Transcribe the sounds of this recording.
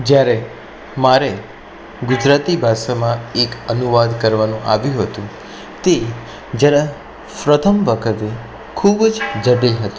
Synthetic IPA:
d͡ʒjaɾe | maɾe | ɡʊd͡ʒɾat̪ibʱaʃamãekənuʋad̪kəɾʋanũʔa̰ʋjũɦət̪ũ | t̪e | d͡ʒjaɾã | pɾət̪ʰəmʋəkʰət̪e | kʰubd͡ʒd͡ʒəɖeɦət̪ĩ̥

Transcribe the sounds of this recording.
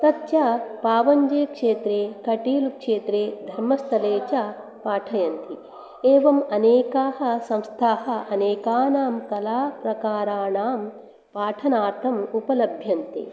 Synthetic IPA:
t̪ɐtt͡ʃɐpaːʋɐɲd͡ʒeːkʂeːt̪ɾeːkɐʈiːlukʂeːt̪ɾeːd̪ʱɐɾmɐst̪ʰɐleːt͡ʃɐ | paːʈʰɐjɐnt̪i | eːʋɐmɐneːkaːɦɐ̆sɐ̃mst̪ʰaːɦɐ̆ɐneːkaːnaːmkɐlaːpɾɐkaːɾaːnaːm | paːʈʰɐnaːɾt̪ʰɐmupɐlɐbʱjɐnt̪ḭ

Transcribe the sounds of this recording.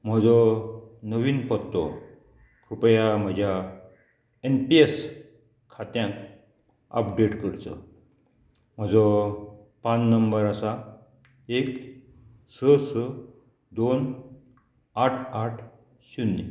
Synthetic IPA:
m̤əd͡zɔnəʋiːnpɔt̪ːɔ | kɾupjam̤əd͡ʑʱja | enpies | kʰat̪jãk | ə̰pɖeʈkəɾt͡sə̰ | m̤əd͡zɔ | pannəmbəɾasa | ek | səsə | d̪on | aʈʰaʈʰ | ɕunːḭ

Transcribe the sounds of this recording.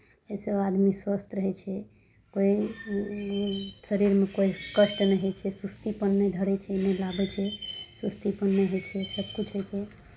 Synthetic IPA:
esead̪miswəst̪ɾəɦɛt͡ʃʰɛ | koi | səɾiɾmekoikəʃʈnəɦet͡ʃʰɛsust̪ipənːed̪ʱəɽɛt͡ʃʰɛnɛlabɛt͡ʃʰɛsust̪ipənːeɦojt͡ʃʰɛsəb̚kut͡ʃʰɦəjt͡ʃʰɛ

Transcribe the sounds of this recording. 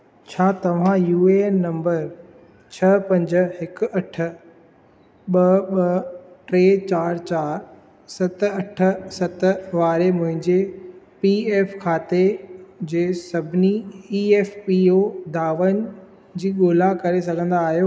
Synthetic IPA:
t͡ɕʰaːt̪ɐʋ̤ãjuːenːɐ̃mbəɾ | t͡ɕʰɐpɐ̃ɲd͡ʑɦɪkʊ̆ɐʈʰə̆ | ɓɐɓɐʈɾeːt͡ɕaːɾt͡ɕaːɾ | sɐt̪ɐʈʰə̆sɐt̪ʋaːɾemʊ̃ɦɪ̃ɲd͡ʑe | pieːfkʰaːt̪ed͡ʑeːsɐbʱɪniieːfpiod̪aːʋənɪ̆ | d͡ʑiːɠoːlakɐɾesɐɡʱə̃nd̪aːɦijoː

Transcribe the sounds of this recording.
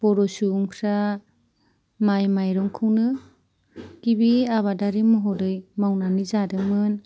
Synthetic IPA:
b̥ɔɾɔsuŋpʰɾa | majmajɾɔŋkʰɯwnɯ | kibiaβadaɾimɔɦɔdɯjmawnanizadɯmɯn

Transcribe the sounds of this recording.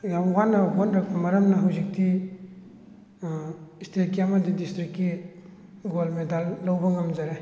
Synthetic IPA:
jamwanːabonɾak̚bamɐɾamnaɦawzik̚ti | istʰekijamadidistɾikːi | ɡolmedalːawbaŋamzaɾe

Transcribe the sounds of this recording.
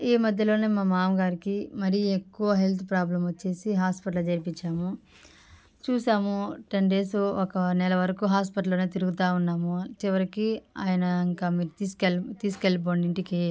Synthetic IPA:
iːmɐd̪ʱjɐlo̞ːneːmaːmaːmɡaːɾikimɐɾijekːuʋɐɦe̞lt̪ʰupɾaːblɐmʋɐt͡ʃːe̞ːsiɦaːspɐʈ̬ɐld͡ʒɐɾipiɲt͡ʃːaːmu | t͡ʃuːsaːmuʈɐɳɖeːsuɔkɐnɛlɐʋɐɾɐkuːɦaːspɐʈɐlːoːneːt̪̬iɾuɡut̪aːunːaːmut͡ʃiʋɐɾikia̰ːjɐnɐiŋkaːmiːiskelt̪iːskeɭp̬oːɳɖiɳʈike

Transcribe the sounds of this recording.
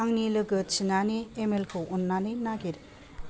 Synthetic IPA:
aŋnilɯɡɯt͡ʃinaneːmelkʰɯɔnːanɯjmnaɡiɾ

